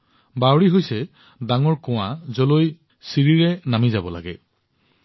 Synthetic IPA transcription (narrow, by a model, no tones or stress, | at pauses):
bawɹiɦojsɛ | daŋɔɹkɔw̃azɔloj | siɹiɹɛnamizabɔla̰ɡɛ